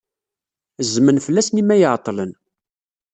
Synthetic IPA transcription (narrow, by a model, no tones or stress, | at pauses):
zːmənfəlːæsnimæjəʕt̪ˤːlən